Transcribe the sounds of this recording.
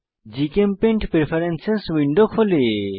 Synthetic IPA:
d͡ʑikempeɳʈpɾepʰaɾenseswiɳɖokʰole

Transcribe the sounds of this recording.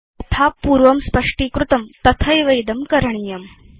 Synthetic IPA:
ɐt̪ʰapuːɾʋɐmspəʂʈiːkɾut̪ɐmt̪ɐt̪ʰɐjʋɐjd̪ɐmkɐɾɐɳ̃ijɐm

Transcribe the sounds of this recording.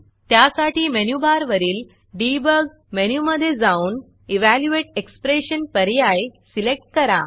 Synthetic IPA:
t̪jasaʈiːmenjubaɾʋəɾiːl | ɖibəɾɡ | menjuməd̪ʱːjed͡zauːn | iʋæljueʈ̚ekspɾeɕənpəɾjajsilek̚ʈ̚kəɾa

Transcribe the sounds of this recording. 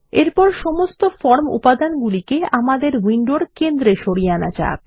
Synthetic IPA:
eɾpɔɾʃɔmost̪ofɔɾmṵpad̪anɡulikeamad̪eɾwiɳɖoɽkend̪ɾeʃoɽiana̰d͡ʑa̰k̚

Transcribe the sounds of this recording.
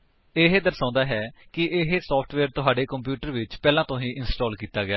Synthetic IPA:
ɪɦed̪əɾsãːnd̪aːɦɛːkɪʔɪɦesɔːpʰʈʰʋɛːɾt̪ʊɦaːɖeːkəmpjuːʈəɾʋɪt͡ʃpɛːlãːt̪õːɦĩːʔɪnsʈɔːlkiːt̪aːɡɪjaː

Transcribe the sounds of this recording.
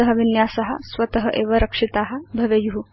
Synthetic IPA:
ɐɦɐʋinjaːsɐɦɐ̰sʋɐt̪ɐɦɐʔeːʋɐɾɐkʂit̪aːɦɐ̆bʱɐʋejuɦu

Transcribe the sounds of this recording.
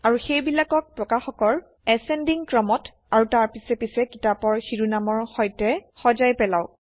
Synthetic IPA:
aɹuxejbilakɔk̚pɹɔkaxɔkɔl | ɛsɛndiŋkɹɔmɔt | aɹutaɹpisɛpisɛkitapɔɹxiɹunamɔɹxɔjtɛxɔzajpɛlaw

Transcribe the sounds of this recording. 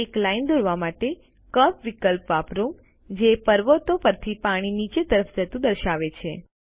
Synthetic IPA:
eklaind̪ʱoɾʋamaʈe | kəpʋikəlpʋapɾũ | d͡ʒepəɾʋət̪opəɾt̪ʰipaɽ̃init͡ʃet̪əɾəfd͡ʒət̪ũd̪əɾʃaʋet͡ʃʰe

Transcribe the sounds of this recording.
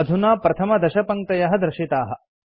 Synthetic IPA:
ɐd̪ʱunaːpɾɐt̪ʰɐmɐd̪ɐʃɐpɐŋ̚t̪ɐjɐɦɐd̪ɾɪʃit̪aːɦɐ̆

